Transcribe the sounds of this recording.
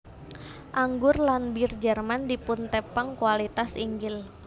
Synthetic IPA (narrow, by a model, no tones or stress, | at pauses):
ʔaŋɡʊrlanbird͡ʒərmandipunt̪ɛpəŋkualit̪asiŋɡɪl